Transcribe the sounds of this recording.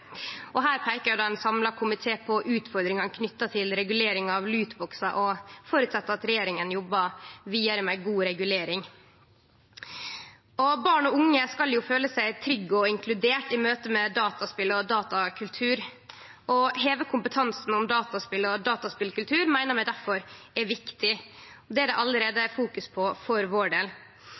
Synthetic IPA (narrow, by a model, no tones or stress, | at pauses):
ʔɔɦæːɾpʰæɪkəɾʊd̪ɑːɛnsɑmlɑkʰʊmɪt̪ʰeːpʰɔʔʉːt̪fɔɾd̪ɾɪŋɑnkʰnʏt̪ːɑt̪ʰɪlɾɛɡʉleːɾɪŋɑʋlʉːt̪bɔksɑʔɔfoːɾʉːt̪sɑt̪ːəɾɑt̪ɾɛjeːɾɪŋənjɔbːɑʋiːəɾmæɪɡuːɾɛɡʉleːɾɪŋ | ɔbɑːɳɔʊŋːəskɑljʊføːləsæɪt̪ʰɾʏɡːɔɪŋkʰlʉd̪eːʈɪmøːt̪əmɛd̪ɑːt̪ɑspɪlɔd̪ɑːt̪ɑkʰʉlt̪ʰʉːɾ | ɔɦeːʋəkʰʊmpət̪ʰɑnsn̩ɔmd̪ɑːt̪ɑspɪlɔd̪ɑːt̪ɑspɪlkʉlt̪ʰʉːɾmæɪnəɾmæɪd̪æɾfɔɾɛʋɪkt̪ɪ | ɔd̪ɛæd̪ɛʔɑləɾeːd̪əfuːkʉspʰɔfɔɾʋoːɖeːl